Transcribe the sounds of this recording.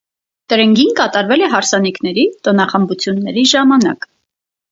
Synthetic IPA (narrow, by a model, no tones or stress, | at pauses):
t̪əɾɛŋɡinkɑt̪ɑɾvɛlɛɦɑɾsɑniknɛɾit̪ɔnɑχəmbut͡sʰjunːɛɾiʒɑmɑnɑ̰k